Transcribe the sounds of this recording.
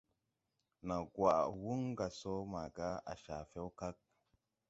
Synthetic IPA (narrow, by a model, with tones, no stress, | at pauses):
na˨ɡwa˨ʔwu˦ŋɡa˨so˦ma˨ɡa˦a̰˨ʃa˨fe˦wka˦k̚